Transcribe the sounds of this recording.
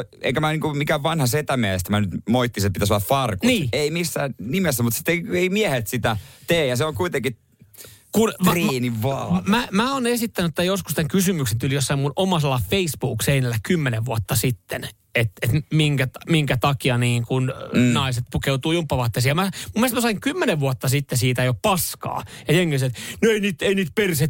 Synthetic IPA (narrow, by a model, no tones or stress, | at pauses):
ḛikæmæniːŋkumikæʋʋɑnhɑset̪æmiæeest̪æmænyt̪moit̪ːisepit̪æsolːɑffɑrkunniːeimisːæːnnimesːæmut̪si̥t̪ːeieimiɛhet̪sit̪æt̪eːjɑseoŋkuit̪eŋki | kunriːniʋːɑːmæmæoːnesit̪ːænyĕt̪ːæjoskust̪æŋkysymyksent̪ulijosːɑimːunomɑselːɑfeisb̥uːkseinelːækymːeneʋʋuɑt̪ːɑsit̪ːen | et̪et̪miŋkætmiŋkæt̪ɑkiɑniːŋkunnɑiset̪̚pukeut̪uːjumpːɑʋɑt̪ːesijɑmæmumːiest̪mæsɑiŋkymːeneʋʋuot̪ːɑsit̪ːesiːt̪æjoppɑskɑ̰ːjɑjeŋːeset̪noeiniːt̪einiːt̪̚perse